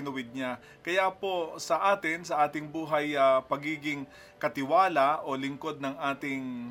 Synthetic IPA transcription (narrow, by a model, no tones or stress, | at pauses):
nʊwɪd̪̚ɲa | kɐjapo̞sɐʔaːt̪ɪnsɐʔaːt̪ɪŋbuːɦɐjɐpɐɡiːɡɪŋ | kɐt̪ɪwaːlɐʔo̞lɪŋko̞d̪̚nɐŋʔaːt̪ɪŋ